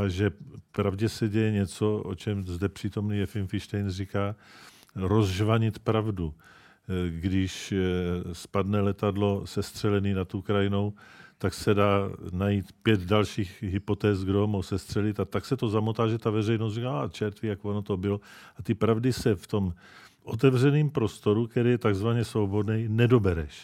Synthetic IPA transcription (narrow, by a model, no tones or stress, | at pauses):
ʔaʒɛpɾavɟɛsɛɟɛjɛɲɛt͡so̞ʔo̰t͡ʃɛmzdɛpr̝̥iːt̪o̞mniːjɛfɪlmfɪʃt̪ɛjnrikaː | ɾozʒvaɲɪt̪pɾavdu | ɡdɪʃ | spadnɛlɛt̪adlo̞sɛst̪r̥ɛlɛniːnat̪owkɾajɪno̞wt̪aksɛdaːnajiːt̪pjɛt̪dalʃiːxɦɪpo̞t̪ɛːsɡdoɦomohwsɛst̪r̝̥ɛlɪt̪at̪aksɛt̪o̞zamot̪aːʒɛt̪avɛrɛjnost̪rikaːat͡ʃɛɾt̪viːjakvonot̪obɪloʔat̪ɪpɾavdɪsɛft̪o̞m | ʔot̪ɛvr̝ɛniːmpɾo̞st̪o̞ɾukt̪ɛɾijɛt̪aɡzvaɲɛsowbodnɛjnɛdo̞bɛɾɛʃ